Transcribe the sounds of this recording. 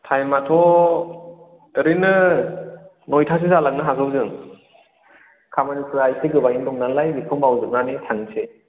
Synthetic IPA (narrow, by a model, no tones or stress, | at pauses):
tʰajmatʰɔ | ɾinɯ | nɔjtʰas̬izalak̚nɯɦakʰɯwzɯŋ | kʰamanisʰɯajseɡɯbajndɔŋnalajbikʰɯmbawzɯk̚nanitʰaŋsʰe